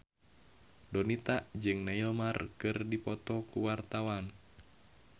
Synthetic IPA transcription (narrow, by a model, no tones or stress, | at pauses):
donit̪aʔd͡ʒɨŋnailmarkɨrdipɔt̪ɔkuwart̪awan